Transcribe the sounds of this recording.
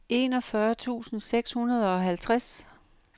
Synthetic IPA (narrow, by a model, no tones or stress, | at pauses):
e̝ːnɒ̽fɶɐt͡sʰṵːsn̩seɡ̥shunɐð̞ˠɒ̽ɦælt͡sʰʁas